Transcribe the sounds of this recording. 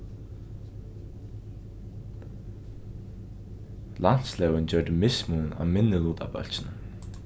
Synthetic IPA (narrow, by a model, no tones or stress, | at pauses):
lan̥t̪slɛːwɪnt͡ɕœɹt̪ɪmɪsmuna̰wmɪnːɪluːt̪a̰pœ̰lsɪn